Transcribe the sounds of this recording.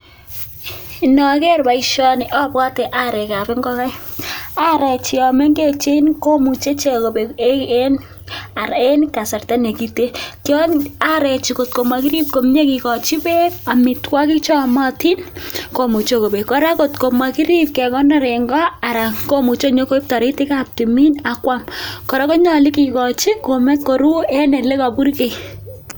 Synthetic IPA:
i˨nɔ˨kɛ˦ɾba˨i˦ʃɔ˦nɪ˨ʔɔ˦pka˦te˨ʔa˦ɾe˨ka˨be˦ŋɡɔ˦ka˦j | a˦ɾɛ˨t͡ʃi˨ɔ˨me˦ŋɡe˦t͡ʃe˦nko˦mu˨t͡ʃe˦t͡ʃe˨ko˨be˨e˦ke˦n | a˨ɾe˦nka˨sa˨rta˦ne˨ki˦te˦kjɔ˦na˦ɾɛ˨t͡ʃi˨ko˨t̚ko˨ma˨ki˦ɾi˦p̚ko˨m˦ɲe˦ki˨kɔ˨t͡ʃi˦be˦ka˨mi˨twa˦ki˦kt͡ʃɔ˦mɔ˦ti˦nko˨mu˨t͡ʃo˦ko˨be˨kɔ˨ɾa˦ko˨tko˨ma˨ki˦ɾip̚kɛ˨kɔ˦na˦ɾɛŋɡɔ˦a˨ɾa˨ko˦mu˨t͡ʃo˦ɲo˦ko˦i˦p̚ta˨ɾi˦tɪ˦ka˦p̚ti˨mi˦na˨kwa˦mkɔ˨ɾa˦ko˦ɲɔ˨li˦ki˨kɔ˨t͡ʃi˦ko˨mɛ˦ko˨ɾu˦ɛ˦nɛ˨le˦ka˨pu˦ɾke˨

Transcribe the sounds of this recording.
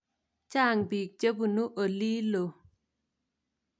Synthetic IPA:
t͡ʃa˦˨ŋbi˨k̚d͡ʒə˦bu˨nu˦ʔo˨li˦lo˨

